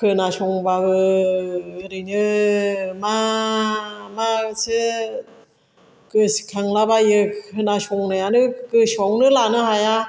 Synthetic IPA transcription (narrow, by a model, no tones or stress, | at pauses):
kʰɯnasɔŋbaɡɯ | ɾɯjnɯ | ma | masɯ | kɯskʰaŋlabajɯɯnasɔŋnajanɯkɯsɔwnɯlanɯɦaja